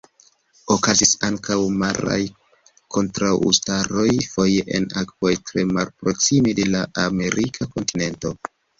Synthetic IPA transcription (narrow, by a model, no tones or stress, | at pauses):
o̞kazisaŋkawmaɾa̰j | kʰo̞ntɾawṵstaɾo̞jfo̞je̞ʔḛnakv̥o̞jtɾe̞malpɾo̞ksimide̞laʔame̞ɾikʰako̞ntine̞nto̞